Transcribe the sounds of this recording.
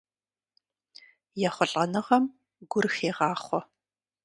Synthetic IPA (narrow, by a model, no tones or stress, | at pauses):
jɛχʷʊɬʼɐnɨʁɐm | ɡʷʊrxeːʁɑːχʷɔ